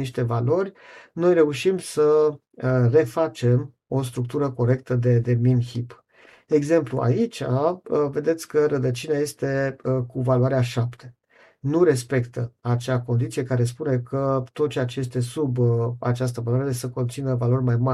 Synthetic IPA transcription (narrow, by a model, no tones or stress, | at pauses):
iʃt̪e̞valo̞rʲno̞jre̞uʃimsə | re̞fat͡ʃe̞m | o̞st̪ɾuk̚t̪uɾəko̞ɾe̞k̚t̪əd̪e̞d̪e̞minhip | e̞ɡze̞mplua̰it͡ʃave̞d̪e̞t̪sʲkəɾəd̪ət͡ʃineaje̞st̪e̞kuvaluaɾeaʃapt̪ʰe̞̥ | nuɾe̞spe̞kt̪əat͡ʃako̞nd̪it̪sije̞kaɾe̞s̬pune̞kət̪o̞t̪̚t͡ʃeat͡ʃeje̞s̬t̪e̞suba̰t͡ʃas̬t̪əvaluaɾeɾesəko̞nt̪sinəvalo̞rʲmajma